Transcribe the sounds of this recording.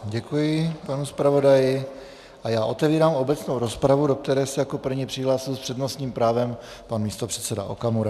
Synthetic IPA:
ɟɛkujɪpanuspɾavo̞dajɪ | ʔajaːʔo̞t̪ɛviːɾaːmo̞bɛt͡snowɾo̞spɾavudo̞k̚t̪ɛɾɛːsɛjako̞pr̩vɲipr̥ɪɦlaːsɪlspr̥ɛdnost̪ɲiːmpɾaːvɛm | panmiːst̪o̞pr̝̥ɛt͡sɛda̰ʔo̰kamuɾa

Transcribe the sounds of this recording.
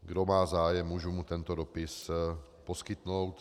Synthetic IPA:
ɡdomaːzaːjɛmːuːʒumut̪ɛnt̪odopɪs | poskɪt̪nowt̪

